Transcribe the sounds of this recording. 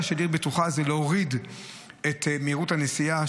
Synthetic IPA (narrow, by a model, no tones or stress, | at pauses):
ʃediʁbetuχazeleoʁid | et̪meiʁuthanesia